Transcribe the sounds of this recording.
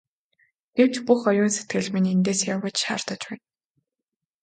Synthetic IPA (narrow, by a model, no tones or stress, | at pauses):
ɡ̥ew̥t͡ɕpuxɔjʊːnse̥t̪̚ɡɘ̆ɮminent̪eːsjawə̆t͡ɕʃa̰ːrt̪ə̆t͡ɕpæːn